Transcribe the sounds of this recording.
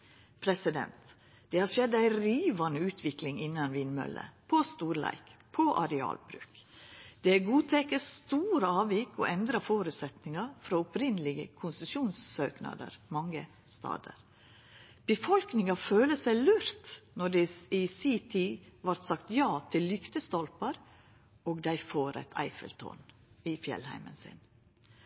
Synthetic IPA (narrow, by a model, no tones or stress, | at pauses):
pʰɾɛsɪd̪ɛ̰nt̪ | d̪̥ɛːhɑʂɛd̪æɪɾiːʋɑnəʉːt̪ʰʋɪklɪŋɪnːɑnʋɪnmœ̰lə̰pʰɔst̪uːɾlæ̰ɪkpʰɔʔɑ̰ɾɛɑ̰ːlbɾʉ̰ːkd̪̥ɛæɡuːt̪ʰɛkəst̪uːɾəɑːʋɪkɔ̰ʔɛnd̪ɾɑfoːɾʉt̪sɛt̪nɪŋɑfɾɑʊpɾɪnəlɪɡə̰kʰʊnsʉsuːnsːøːknɑ̰d̪ə̰ɾmɑŋːə | st̪ʰɑ̰ːd̪ə̰ɾ | b̥əfɔlknɪŋɑføːləsæɪlʉɾt̪nɔɖɛɪsit̪ʰɪʋɑɾt̪sɑkt̪jɑːt̪ʰɪlːʏkt̪əst̪ɔlpɑɾ | oːɡd̪æɪfoːɾɛ̰t̪ʰæ̰ɪfə̰lt̪ʰɔ̰nɪfjɛ̰lhæ̰ɪmə̰nsɪ̰n